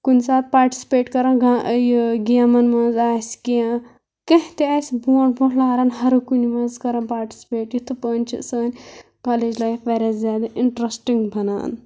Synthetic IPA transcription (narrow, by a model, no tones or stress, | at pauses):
kunsaːt̪̚paːɾʈi̥sʲi̥peːʈkɐɾaːnɡajɡiamɐnmɐnzaːskiã | kɐ̃ɦt̪eaːsboːɳʈboʈʰlaːɦɾaːnɦɐɾukunimɐzkɐɾãnpaːɾʈi̥sʲi̥peːʈjit̪ʰɨpəːnʲt͡ʃʰḭsəːnʲ | kaːleːd͡ʒlaːjfʋɐɾʲɐzʲaːd̪ɐʔiɳʈɾɐsʈiŋɡbʱɐna̰ːn